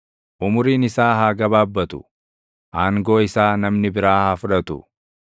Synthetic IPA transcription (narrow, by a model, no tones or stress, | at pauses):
ʔʊmʊɾiːnɪsaːɦaːɡɐbaːbːɐt̪ʊ̥ | ʔaːŋɡoːɪsaːnɐmnɪbɪɾaːhaːfʊᶑɐt̪ʊ̰